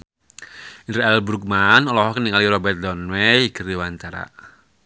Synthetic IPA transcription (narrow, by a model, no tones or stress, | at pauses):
ʔinɾaɛlbɾuk̚manɔlɔɦɔkəniŋaliɾɔbɛrt̪̚dɔnwɛjɡəɾiwant̪aɾa̰ʔ